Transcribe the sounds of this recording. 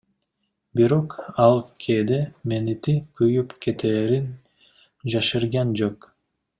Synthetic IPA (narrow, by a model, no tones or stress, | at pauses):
biɾo̞qɑlˠkʰeːd̪emenit̪ikyjypke̞t̪ʰeːɾin | d͡ʒɑʃɯɾɡɑnd͡ʒoq